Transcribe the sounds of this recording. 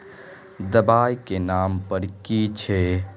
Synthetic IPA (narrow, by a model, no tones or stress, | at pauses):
d̪əbaːjkenaːmpəɾkit͡ʃʰe